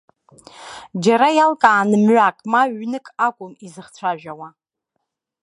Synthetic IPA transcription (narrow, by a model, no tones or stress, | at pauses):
d͡ʒaɾajalkʼaːnɨmɥʷakʼmaɥnɨkʼakʷʼʊmizɨχt͡sʷʰaʒᶣawa